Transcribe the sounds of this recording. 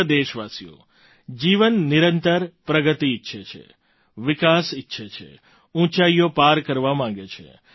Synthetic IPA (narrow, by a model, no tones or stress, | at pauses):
d̪eʃʋasijo̰ | d͡ʒiʋənːiɾənt̪əɾpɾəɡət̪iːtːʃʰet͡ʃʰḛ | ʋikasɪtːʃʰet͡ʃʰḛ | ũt͡ʃaijopaɾkəɾʋamãŋ̆ɡet͡ʃʰḛ